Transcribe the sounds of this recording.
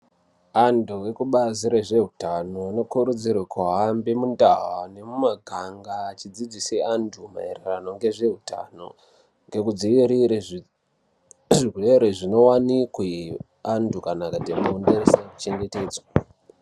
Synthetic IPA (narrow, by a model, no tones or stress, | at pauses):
anduwekuɓaziɾeʐe̞ɦutano̞ano̞kuɾud͡zirwakaɦambemundaɦane̞mumaɡʱaŋɡaːt͡ʃid͡zid͡ziseanduma̰ḛrerano̞ŋɡe̞ʐe̞ɦuta̰no̞̰ | ŋɡe̞kud͡ziʋiɾie | ʐirweɾeʐino̞wanikwe | andukanakatemunderesaku̥t͡ʃe̞ŋɡe̞te̞ːd͡zwa